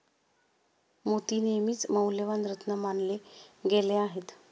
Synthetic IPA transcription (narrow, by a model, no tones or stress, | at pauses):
mot̪inemiːt͡sməwleʋanɾət̪nəmanleɡeleaɦet̪